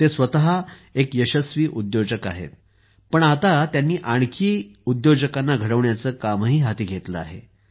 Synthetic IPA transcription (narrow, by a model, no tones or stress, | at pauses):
t̪esʋət̪aɦa | ekjəɕəsʋiːʔud̪jod͡ʑəka̰ɦḛt̪̚ | pəɳat̪at̪janːiːʔaɳ̃kʰiːud̪jod͡ʑəkanːaɡʱəɽəʋɳjat͡səːkaməɦiːɦat̪iːɡʱet̪ləa̰ɦḛ